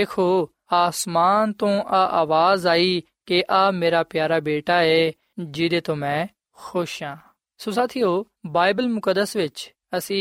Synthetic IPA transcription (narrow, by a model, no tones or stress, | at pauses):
eːkʰoː | aːsmaːnt̪õːʔaʔaːʋaːzaːiː | keʔaːmeːɾaːpɪjaːɾaːbeːʈaːeː | d͡ʒɪd̪eːt̪oːmɛ̃ː | xoːʃɦãː | sosaːt̪ʰijoː | baːɪbəlmʊkəd̪əsʋɪt͡ʃ | əsĩː